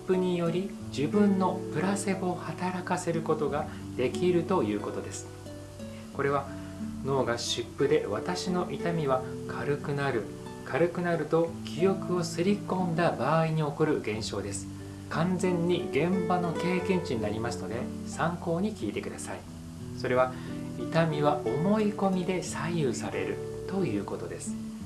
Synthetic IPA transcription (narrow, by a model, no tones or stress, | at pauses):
pːɯɲ̟ijo̞ɾʲi | d͡ʑibɯ̟̃nːo̞pɯ̟ɾase̞bohat̪aɾakase̞ɾɯ̟ko̞t̪o̞ɡa | d̪̥e̞kʲiɾɯ̟t̪o̞jɯ̟ːko̞t̪o̞d̪e̞sɨ̥ | ko̞ɾe̞β̞a | no̞ːɡaɕɨpːɯ̟d̪e̞βat̪aɕino̞ʔit̪amʲiβ̞akʰaɾɯ̟kɯ̟naɾɯ̟ | kʰaɾɯ̟kɯ̟naɾɯ̟t̪o̞kʲijo̞kɯ̟o̞sɨɾʲikõ̞nd̪abaːiɲ̟io̞koɾɯ̟ɡẽ̞ɰ̃ɕo̞ːd̪e̞sɨ̥ | kʰãnd͡zẽ̞ɲ̟ːiɡẽ̞mbano̞ke̞ːkẽ̞ɲ̟t͡ɕiɲ̟inaɾʲimasɨ̥no̞d̪e̞ | sãŋko̞ːɲ̟ikʲiːt̪e̞kɯ̟d̪asai | so̞ɾe̞β̞a | it̪amʲiβaʔomo̞iko̞mʲid̪e̞sajɯsaɾe̞̰ɾɯ̟t̪o̞jɯ̟ːko̞t̪o̞d̪e̞sɨ̥